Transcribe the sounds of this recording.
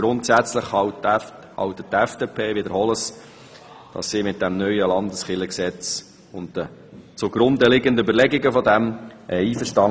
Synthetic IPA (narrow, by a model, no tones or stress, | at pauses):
ɾʊntsæt͡sləχhɑwt | hɑ̰wt̪əttːæfd̥eːpʰeːʋɪd̪əɾhɔləs | d̥ɑ̰sːiːmɪt̚d̥æmnœʏəlɑnd̪əsχɪləksɛt͡s | ʊntd̥ə | t͡sʊɡ̥ɾʊnd̪əlɪɡəndəybəɾlɛɡɪɡəfɔd̪æmʔɛiːfəɾʃtɑ